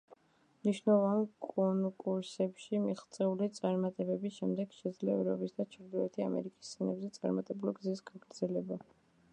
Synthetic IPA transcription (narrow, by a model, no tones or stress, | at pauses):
mniʃnɛlˠɔvaankʼɔnkʼuɾsɛpʃimiχt̪sʼɛulit̪sʼaɾmat̪ʼɛbɛbisʃɛmd̪ɛɡ̥ʃɛd̪zlɛɛɛɾɔpʼisd̪at͡ʃʰɾd̪ɔɛt̪ʰia̰mɛ̰ɾikʼi̥sːʰɛnɛbzɛt̪sʼa̰ɾmat̪ʼɛbuliɡzisɡaɡɾd̪zɛlɛba